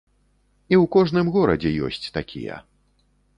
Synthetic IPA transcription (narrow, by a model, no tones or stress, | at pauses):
iwkɔʐnɨmɣɔɾɐ̰d͡zʲɛjɔ̰sʲt͡sʲt̪akʲʰḭjɛ̰